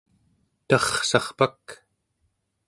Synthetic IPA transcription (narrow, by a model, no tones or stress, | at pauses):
t̪ɑχsɑχpak